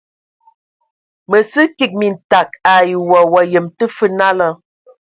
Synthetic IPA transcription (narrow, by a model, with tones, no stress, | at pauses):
mə˨sɨ˦ki˦k̚mi˨n̩˨ta˨k̚a˨ji˨wɔ˨wɔ˨jə˨mtə˦fə˦na˦lə˦